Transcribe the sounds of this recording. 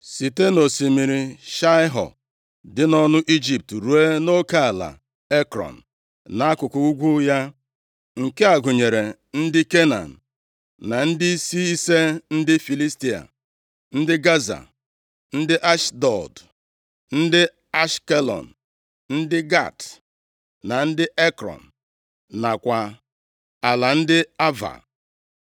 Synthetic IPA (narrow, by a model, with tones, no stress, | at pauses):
si˨te˦no˨si˨mi˨ɾi˨ʃa˦ɪ˦ɦɔ̰˨ | dɪ˦nɔ˦nʊ˦ʔi˦d͡ʒi˨p̚tɾu˨e˦no˦ka˦a˨la̰˨ | e˦kɾɔ̰˨n̩˨ | na˨˦a˦kʊ˨kʊ˨u˦ɡʷu˦ja˦ | ŋ̩˨ke˦a˨ɡʊ˨ɲe˨ɾe˨ | n̩˦dɪ˦ke˦na̰˨n̩˨ | na˨n̩˦dɪ˦si˦i˦se˦n̩˦dɪ˦fi˨li˦sti˦a̰˨ | n̩˦dɪ˦ɡa˦za̰˨ | n̩˦dɪ˦ʔa˦ʃdɔ˨d | n̩˦dɪ˦ | a˦ʃke˦lɔ̰˨n̩˨ | n̩˦dɪ˦ɡa̰˦˨t | na˨n̩˦dɪ˦ʔe˦kɾɔ̰˨n̩˨ | na˨kʷa˨ | a˨la˨n̩˦dɪ˦a˦va̰˨